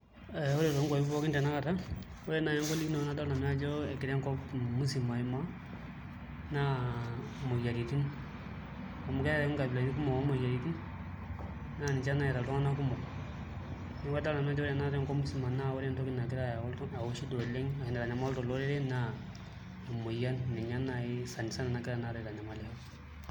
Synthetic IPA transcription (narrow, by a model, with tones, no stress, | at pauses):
ɛ˨ɔ˦ɾe˨tɔ˨˦ŋɡɔ˨˦pɔ˦kɪ˦ndɛ˨na˦ka˨ta˦ | o˦ɾe˦na˨ɲa˦ŋɡɔ˦li˦knɔ˨na˦da˦la˨n˦a˦d͡ʒɔ˦ɛ˨ki˨ɾɛ˦ŋkɔ˦pmu˦si˨ma˨i˦ma˦ | na˦ | mo˨ja˨ɾi˨ti˦n | a˨mu˨kɛ˦a˦ɛ˦ŋ˦ɡa˨bla˨ɲi˦ku˦mɔ˨ɔ˦mo˨ja˨ɾi˨ti˦n | na˦ni˨t͡ʃa˦na˨i˨ɾa˨ltɔ˦ŋa˦na˦ku˦mɔ˨ | ni˦wa˦da˦la˨na˦d͡ʒɔ˦wa˦na˦ɾɛ˦ŋkɔ˦mu˦si˨ma˨na˦˨wɔ˦ɾɛ˦ntɔ˦kɪ˦na˨kɪ˦ɾa˦ja˨wɔ˦ltɔ˦a˨wo˦ʃi˦dɔ˨le˦ŋa˨kɪ˨na˨ɾa˨ɲa˨ma˦ltɔ˨lɔ˦ɾɛ˦ɾɛ˦na˦˨ | mo˨ja˦nːi˨ɲa˦na˨ɪ˦sa˨n˨sa˦na˨na˨˦kɪ˦ɾa˨na˨ɾɔ˨ɾa˨ɲa˨ma˨lɛ˨ha˦